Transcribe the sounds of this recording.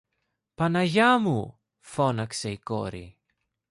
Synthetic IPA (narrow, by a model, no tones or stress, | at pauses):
panajamu | fonakseikoɾḭ